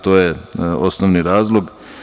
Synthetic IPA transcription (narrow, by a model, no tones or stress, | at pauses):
t̪oːjeosnoʋniɾaːzlˠoɡ